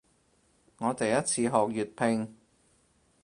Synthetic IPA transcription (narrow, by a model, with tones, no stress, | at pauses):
ŋɔː˨˧t̪e˨jɐ˥t̚t͡sʰiː˨˧ɦɔː˨k̚jyː˨t̚pʰɪ˧ŋ